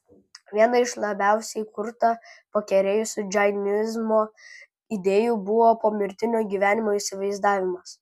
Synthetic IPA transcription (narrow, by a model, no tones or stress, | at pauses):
ʋʲiɛnɐɪʃlˠɐbʲæˑʊsʲɛɪkʊɾt̪ɐpɐkʲɛɾʲeːjʊsʲʊd͡ʒʲɐɪnʲɪzmoː | ɪd̪ʲeːjuːbʊʋoːpoːmʲɪɾʲt̪ʲɪnʲoːɡʲiːʋʲæːnʲɪmoːɪsʲɪʋɐɪzd̪ɑːʋʲɪmɐs